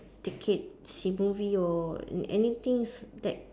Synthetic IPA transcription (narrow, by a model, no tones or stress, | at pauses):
t̪ikʰet̚simuviɔ̰ɛ̰nit̪ĩŋsdɛt̚